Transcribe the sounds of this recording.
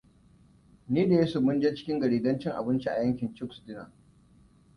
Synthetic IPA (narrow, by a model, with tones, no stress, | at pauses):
niː˦da˨je˦su˨mʊ˦nd͡ʒe˦t͡ʃɪ̥˦kʲɪ˦ŋɡɐ˨ɽiː˨dɐ˦nt͡ʃɪ˦ŋʔa̰˨bɪ˦nt͡ʃi˦ʔa̰˨jɐ˦ŋkʲɪ˨nt͡ʃɪ˦ksdɪ˦na̰˨